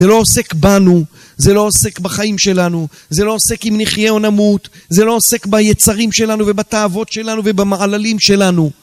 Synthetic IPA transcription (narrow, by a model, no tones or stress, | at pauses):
elo̞ose̞kbanu | ze̞lo̞ose̞kbaχaimʃe̞lanu | ze̞lo̞ose̞kimniχjeo̞namut̪zelo̞ːse̞kbajet͡saʁimʃe̞lanuve̞bat̪aavo̞tʃe̞lanuvebamaʕalalimʃe̞lanu